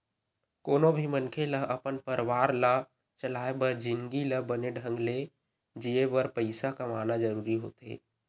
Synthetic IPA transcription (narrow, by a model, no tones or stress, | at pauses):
koːnobʱimənkʰeləɦəpənpəɾwaːɾla | t͡ʃəlaːebəɾd͡ʒɪ̃ŋɡiləbəneɖʱə̃ŋɡle | d͡ʒiebəɾpəɪsakamaːnad͡ʒəɾuːɾiɦo̰ːt̪ḛː